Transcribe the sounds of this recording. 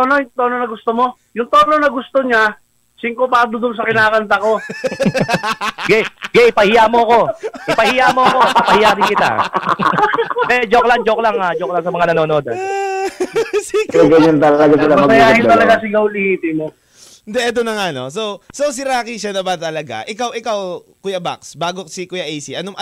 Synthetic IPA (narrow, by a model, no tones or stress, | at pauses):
t̪onojʊŋt̪ononɐɡʊst̪omo̞ | jʊŋt̪oːnonɐɡʊst̪oɲa | siŋkopaːb̪od̪ʊnsɐkɪnaːkɐnt̪ɐko̞ | ɡɛɡɛʔɪpɐhɪjamo̞ɐko̞ʔɪpɐhɪjaʔmo̞ɐko̞ɐpɐhɪjaːɦɪnkɪt̪a̰ | d̪ɛd͡ʒokland͡ʒoklaŋhad͡ʒoklaŋsɐmɐŋanɐnoːno̞ːd̪ɐ̰n | siɛɡɐɲant̪ɐlɐɡasɪlamɐmɐsɐjaːhɪnt̪ɐlɐɡasɪɡawlɪhiːt̪ɪmo | ɪnd̪ɛʔɛt̪onɐŋanosowsos̬ɪɾaːkiʃanɐbat̪ɐlɐɡa̰ʔɪkawʔɪkawkʊjɐba̰ksbaːɡosikʊjaʔɛjsiʔɐnoʔɐ